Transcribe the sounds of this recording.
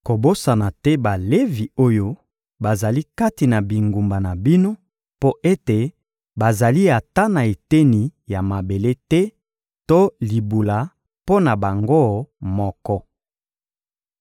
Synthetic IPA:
ko˨bo˦sa˨na˨tɛ˦ba˨le˦vi˨o˦jo˦ | ba˨za˨li˦ka˦ti˨na˨bi˨ŋɡu˨mba˨na˨bi˦no˦ | po˦ʔe˦te˨ | ba˨za˨li˦a˨ta˦na˨e˨te˦ni˨ja˨ma˨be˨le˦tɛ˦ | to˦li˨bu˨la˨ | po˦na˨ba˨ŋɡo˦mɔ˦kɔ˦

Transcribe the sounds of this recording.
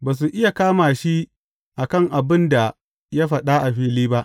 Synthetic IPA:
baː˨s̬u˨ʔɪ˦ja˨kaː˦maː˨ʃi˦ | ʔa˨kɐ˦˨ŋʔa˨bɪ˦nda˨ | ja˦ɸɐ˨ɗa˦ʔa˨ɸiː˦liː˦ba˦ʔ

